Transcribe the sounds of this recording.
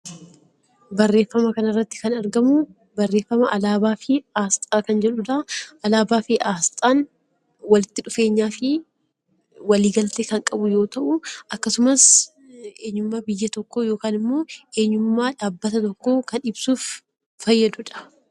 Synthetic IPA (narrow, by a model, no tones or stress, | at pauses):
bɐrːe̞ːfːɐmɐkɐnɐɪrːɐt̪ːɪ̥kɐnɐɾɡɐmʊ | bɐrːe̞ːfːɐmɐɐlaːbaːfɪaːst̪ʼaːkɐnd͡ʒɛᶑʊᶑɐːlaːbaːfɪʔaːst̪ʼaːn | wɐlɪt̪ːɪᶑʊfe̞ːɲːaːfɪ | wɐliːɡɐlt̪eːkɐŋkʼɐbʊjo̞ːt̪ɐʔʊʔɐkːɐsʊmɐs | eːɲːʊmːaːbɪjːɐt̪ɔkːojo̞ːkaːnɪmːo̞ːe̞ːɲːʊmːaːᶑaːbːɐt̪ɐt̪ɔkːo̞ːkɐnɪbsuːf | fɐjːɐd̪ʊᶑɐ̥